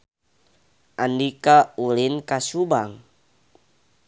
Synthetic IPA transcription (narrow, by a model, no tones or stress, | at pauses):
ʔandikaulinkasubaŋ